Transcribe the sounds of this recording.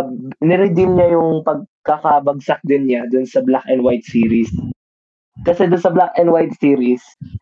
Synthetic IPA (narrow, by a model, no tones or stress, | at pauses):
nɪɾɪd̪imɲajʊŋpɐɡ̚kɐkɐbɐɡ̚sak̚d̪ɪnɲad̪ʊnsɐblakʔɛnd̪wajt̪̚siːɾis | kɐsɛd̪ʊnsɐblak̚ʔɛnd̪wajt̪̚siːɾis